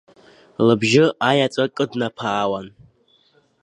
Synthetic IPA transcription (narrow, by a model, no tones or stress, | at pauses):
lɨbʒɪajat͡sʼakʼɨdnapʰaːwan